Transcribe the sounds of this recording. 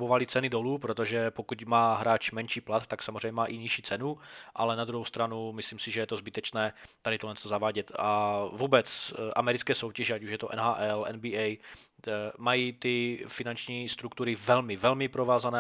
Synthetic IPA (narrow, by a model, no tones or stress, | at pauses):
bovalɪt͡sɛnɪdoluːpɾot̪oʒɛpokucmaːɦɾaːt͡ʃmɛnʃiːplat̪ːaksamozr̝ɛjɲɛmaːʔɪɲiʃiːt͡sɛnuʔa̰lɛnad̪ɾuɦowst̪ɾanumɪsliːmsɪʒɛjɛt̪ozbɪt̪ɛt͡ʃnɛːt̪adɪt̪olɛnst̪ozavaːɟɛt̪avuːbɛt͡sʔamɛɾɪt͡skɛːso̞wcɛʒɛacuʃjɛt̪oʔɛ̰nɦaːʔɛlɛ̰nbiːʔɛj | majiːt̪ɪfɪnant͡ʃɲiːst̪ɾukt̪uɾɪvɛlmɪvɛlmɪpɾovaːzanɛː